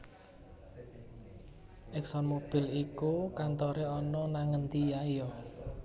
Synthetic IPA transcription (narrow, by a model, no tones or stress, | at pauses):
ʔɛksɔnmob̥ɪ̤likukant̪ɔɾeɔnɔnaŋənt̪ijajɔ